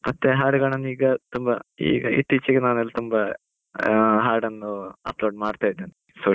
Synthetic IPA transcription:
mɐt̪ːeɦaːɾɖɡɐɭɐnːiːɡɐt̪umbɐḭːɡɐḭt̪ːit͡ʃːɐɡenaːnelːɐt̪umbɐ | ɦaːɾɖɐnːuɐ̰ploːɖmaːɽt̪aːjid̪en | soː

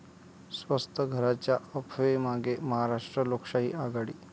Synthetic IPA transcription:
sʋəst̪ʰəɡʱəɾat͡ɕjaəpʰʋemaɡeməɦaɾaʂʈɾəlokʂaɦḭːaɡaɽḭː

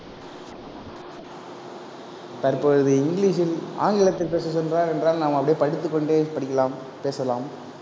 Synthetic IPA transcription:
t̪ɐrpoːɻɯðɯɪŋɡɪɭiːʂɪla̰ːŋɡɪɭɐt̪ːɪlpeːsɐsɔnraːɾɛndraːlnaːmɐpːɐɽepɐɽɯt̪ːɯkːɔɳɖeːpɐɽɪkːɐlaːm | peːsɐlaːm

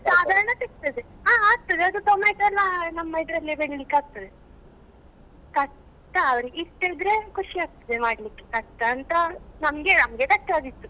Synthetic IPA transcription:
saːd̪ʱaːɾɐɳɐt̪ik̚t̪ɐd̪eɦaːaːk̚t̪ːɐd̪eɐd̪ut̪omajt̪uɛlːɐnɐmːɐid̪ɾɐlːibeɽlikːaːɡ̚t̪ɐd̪e | k̪ɐ | t̪ɐːʋɾiist̪eid̪ɾekuʂiaːɡ̚t̪ɐd̪emaːɽlikːe̥kɐʈt̪ɐːnt̪ɐnɐmɡenɐmɡet̪ɐʈːaːɡ̪it̪ːu

